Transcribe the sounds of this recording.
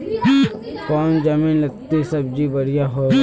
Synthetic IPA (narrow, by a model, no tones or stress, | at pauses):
kɔːnd͡ʒamĩːnlɐɡ̚t̪isɐbd͡ʒibəɽijaɦo